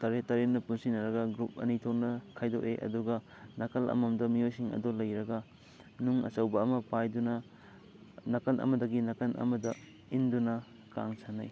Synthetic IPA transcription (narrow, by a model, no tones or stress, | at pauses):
tɐɾetɐɾenːɐpunsinɐɾɐɡɐɡɾup̚ɐ̰nitʰoknɐkʰajdoʔḛʔɐ̰duɡɐ | nɐkɐlʔɐ̰mɐmdɐmiojsiŋɐ̰dolɐjɾɐɡɐ | nuŋɐ̰sɐwbɐːmɐpajdunɐ | nɐkɐnʔɐ̰mɐdɐɡinɐkɐnʔɐ̰mɐdɐ | indunɐ | ka̰ŋsanaj